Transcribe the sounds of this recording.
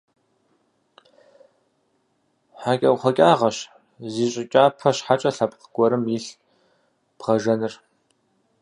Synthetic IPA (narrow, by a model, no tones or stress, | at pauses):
ħaːkʲʼɐwχʷɔkʲʼaːʁɐɕ | ziːɕʼɪkʲʼaːpʰɐɕħat͡ʃʼɐɬɐpʼqəɡ̥ʷɔɾɨmjiɬ | b̥ʁɐʒɐnɨr